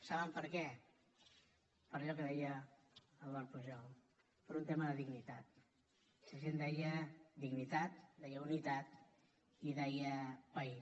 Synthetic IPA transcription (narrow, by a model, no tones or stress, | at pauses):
saβəmpəɾkɛ | pəɾʎɔkəðɛjəː | lˠd̪ɔɾpuʒɔl | pəɾunt̪eməðəðiɡnit̪at̪̚ | səʒend̪ɛjəd̪iɡnit̪at̪̚d̪ɛjəunit̪at̪̚ | iðɛjəpəi